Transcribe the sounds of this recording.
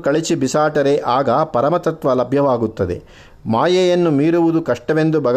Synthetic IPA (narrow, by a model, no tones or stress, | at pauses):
kɐɭit͡ʃibisaːʈɐɾeʔaːɡɐpɐɾɐmɐt̪ɐt̪ʋɐlɐbʱjɐʋaːɡut̪ːɐd̪e̞̰ | maːjɐjɐnːumiːɾuʋud̪ukɐʂʈɐʋe̞nd̪ubʱɐɡ